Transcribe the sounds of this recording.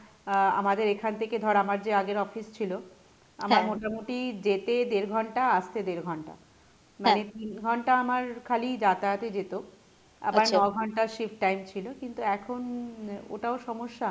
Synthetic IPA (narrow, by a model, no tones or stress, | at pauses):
a̰mad̪eɾekʰant̪ʰeked̪ʱɔɾamaɾd͡ʑeaɡeɾɔfist͡ɕʰilo | amaɾmoʈamoʈid͡ʑet̪ed̪eɾɡʱɔɳʈaast̪ed̪eɾɡʱɔɳʈa̰ | manet̪inɡʱɔɳʈaamaɾkʰalid͡ʑat̪at̪ed͡ʑet̪o | a̰baɾnɔɡʱɔɳʈaɾʃifʈːajmt͡ɕʰilokint̪uɛkʰono̰ʈaoʃɔmoʃːa